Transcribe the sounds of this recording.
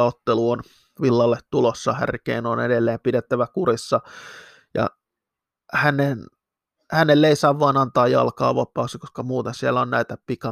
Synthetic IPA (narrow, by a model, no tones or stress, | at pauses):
ɑot̪ːeluon | ʋilːɑlːet̪t̪ulosːɑhæ̰rkḛːnonḛdelːeːmpidet̪ːæʋækurisːɑ | jɑ̰ | hænen | hænelːeisɑːʋʋuɑːnɑnt̪ɑːjjɑ̰lkɑ̰ːʋɑpːˑɑˑusikoskɑmuːt̪ensielːæonnæit̪æpikɑ